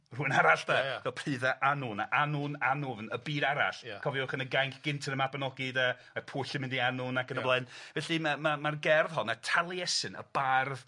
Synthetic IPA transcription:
r̥uːnaɾaɬd̥avɛlˠpʰr̥ɨːðaʔanʊnaʔanʊnanʊvnəbiːɾaɾa̰ɬkʰɔvjɔχənəɡajŋkʰɡ̥ɪntʰənəmabnɔɡɪdə | apʰuːɬɪmɪndianʊnakənəblˠaɨnvɛɬɨmamamarɡɛrðhɔnətʰalˠjɛsɨnə̰barð

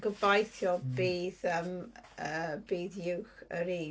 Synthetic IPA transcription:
ɡəbajθjɔbiːðəməːbiːðjɪwxə̰ɾiː

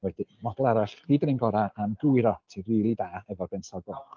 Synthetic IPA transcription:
wɛd̥imɔdɔlˠaɾaɬiːdnɪnɡɔɾaʔamduɨɾɔtʰiriːlˠidaːɛvɔrbɛnsɔɡɔlˠ

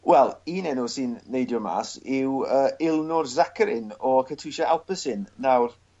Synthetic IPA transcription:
wɛlˠiːnɛnʊsɨnːejdjɔma̰ːsɪwəːɪlˠnʊrzakʰəɾɪnɔkʰətʰuʃaʔalˠpəsɪnːawr

